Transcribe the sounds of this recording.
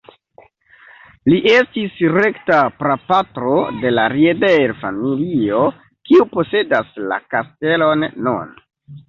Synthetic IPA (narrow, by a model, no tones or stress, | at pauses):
liʔe̞stisɾe̞ktapɾapatɾo̞de̞laɾiedeɾfamilio̞ | kiupo̞se̞dasla̰kaste̞lo̞nːṵn